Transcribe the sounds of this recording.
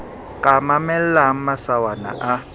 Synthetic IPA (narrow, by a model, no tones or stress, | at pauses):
kʼamamɛl̩laŋ̩masawana̰ʔa